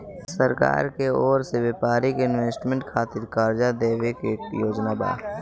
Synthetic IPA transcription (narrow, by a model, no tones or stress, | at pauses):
səɾka̰ːɾkeɔːɾseʋepaːɾɪkɪnʋeːsʈmẽɳʈkʰaːt̪ɪɾkaːɾd͡ʒad̪eːʋekeːkjoːd͡ʒnaba̰ː